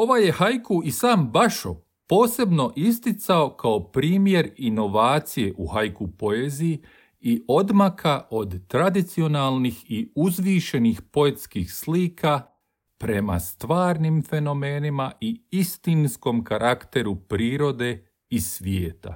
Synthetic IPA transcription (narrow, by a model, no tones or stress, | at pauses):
o̞ʋaje̞hajkuʔisaːmbaʃo̰ | po̞ːse̞bno̞ʔist̪it̪sao̞kʰao̞pɾiːmje̞ɾino̞ʋaːt̪sije̞ʔuhajkupo̞eːziji | iʔo̞d̪makʰaʔo̞d̪t̪ɾad̪it̪sio̞naːlˠnixiuzʋiːʃe̞nixpo̞e̞t̪skixsliːkʰa | pɾe̞ma̰st̪ʋaːɾnimfe̞no̞me̞ːnimaʔiist̪insko̞mkaɾʔakt̪e̞ɾupɾiːɾo̞d̪e̞ | isʋjeːt̪a̰